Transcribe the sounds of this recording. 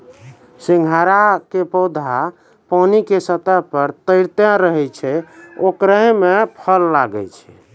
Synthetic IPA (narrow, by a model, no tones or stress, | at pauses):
sĩŋɡʱaɾakepəwd̪ʱa | pɔnikesət̪əɦpəɾt̪əɪɾt̪jãɾəɦɛt͡ʃʰɛokɾəɦmepʰəlːaɡɛ̰t͡ʃʰɛ̥